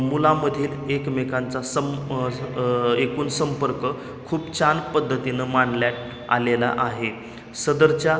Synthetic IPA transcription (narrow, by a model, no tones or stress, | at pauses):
mulaməd̪ʱiːlekmekãnt͡sasə | ekuːnsəmpəɾkə | kʰuːpt͡ɕanpəd̪ʱːət̪inəmaɳɖljaʈ̚ | a̰lela̰ʔaɦe | səd̪əɾt͡ɕja